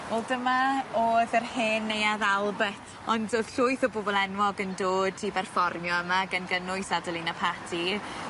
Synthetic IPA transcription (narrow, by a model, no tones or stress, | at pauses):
wɛlˠdəmaoːðərheːnːejaðalˠbɛθ | ɔndoð̥ɬʊɨθɔbobɔlˠɛnwɔɡəndoːd̚tʰibɛrfɔrnjɔəmaɡənɡənʊɨsadɔlˠinapʰatʰi